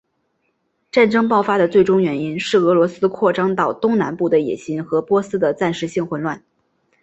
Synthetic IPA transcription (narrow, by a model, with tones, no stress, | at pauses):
ʈ͡ʂa˥˩nʈ͡ʂɤ˥ŋpɑ˥˩ʊfa˥d̪ə˨t͡swe˥˩ɪʈ͡ʂʊ˥ŋɥɛ˧˥ni˥nʂɻ̩˥˩ɤ˧˥lwɔ˧˥sɹ̩˥kʰwɔ˥˩ʈ͡ʂɑ˥ŋt̪ɑ˥˩ʊt̪ʊ˥ŋna˧˥npu˥˩d̪ə˩jɛ̰˨˩ɕi˧˥ŋxɤ˧˥pwɔ˥sɹ̩˥d̪ə˨t͡sa˥˩nʂɻ̩˧˥ɕi˥˧ŋxwə˧˥˩nlwa˥˩n